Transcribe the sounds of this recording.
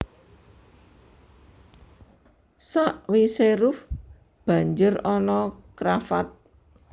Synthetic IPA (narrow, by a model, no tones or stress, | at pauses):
saʔwiseɾʊf | b̥a̤ɲd͡ʒʊrɔnɔkɾafa̰t̪̚